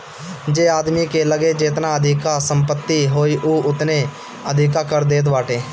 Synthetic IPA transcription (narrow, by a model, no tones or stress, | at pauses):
d͡ʒeːaːd̪mikeləɡed͡ʒeːt̪naəd̪ʱɪkasə̃mpət̪ːiɦoːiʔuːʔʊt̪ne | əd̪ʱɪkakəɾd̪eːt̪̬ʋaːʈeː